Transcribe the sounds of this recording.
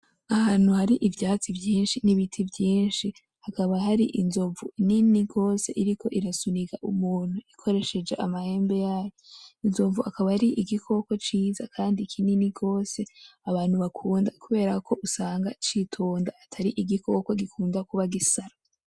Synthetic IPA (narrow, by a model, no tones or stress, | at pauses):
ahaːn̥huhaɾiʔivjaːt͡sivjiːnʃiniβitʰivjiːnʃi | hakaβaɦaɾiʔinzo̞ɱvuininiɡo̞ːse̞̰ʔiɾiko̞ʔiɾasuniɡaʔumuːn̥huikʰo̞ɾe̞ʃe̞d͡ʒe̞ʔamahe̞ːmbe̞jaːjoinzo̞ɱvuhakaβaɾiʔiɡikʰo̞ko̞t͡ʃiːzakʰaːndikʰininiɡo̞ːse̞aβaːn̥huβakʰuːndakuβe̞ːɾakʰo̞ʔusaːŋɡat͡ʃitʰoːndaatʰaɾiʔiɡikʰo̞koɡikʰuːndakuβaɡisaɾa